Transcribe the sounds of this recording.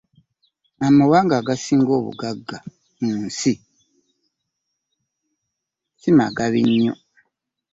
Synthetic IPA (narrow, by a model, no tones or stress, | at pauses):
amawaːŋɡaːɡasiːŋɡoːβṵɡaɡːa | n̩ːsi | sima̰ɡaβiɲːo̰